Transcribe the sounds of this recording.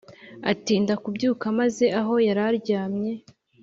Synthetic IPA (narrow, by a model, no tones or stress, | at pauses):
atindakubɟuːkamaze̞aɦo̞jaɾaɾɟaːmɲe̞